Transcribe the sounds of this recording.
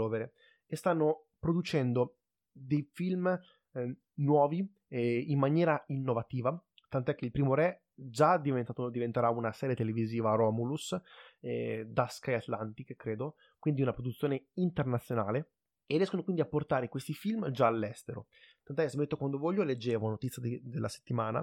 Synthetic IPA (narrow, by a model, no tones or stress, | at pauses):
oːveɾe | est̪anːo | pɾod̪ut͡ʃɛnd̪o | d̪ejfilm | nwɔːvi | imːanjɛːɾainːovat̪iːva | t̪ant̪oɛk̟ːeilpɾiːmoɾɛ | d͡ʒad̪ivet̪aod̪ivent̪eɾaunasɛːɾjet̪eleviziːvaɾɔːmulusɛd̪askajat̪lant̪ikkːɾeːd̪o | kwind̪iunapɾod̪ut̪sːjoːneint̪ernat̪sjonaːle | erjɛskonokwind̪iapːort̪aːɾekwest̪ifilmd͡ʒaːlːɛst̪eɾo̰ | t̪ant̪ɛkːesemet̪ːokwand̪ovɔʎːoled͡ʒːeːvonot̪it̪sːjaed̪elːase̥t̪ːimaːna̰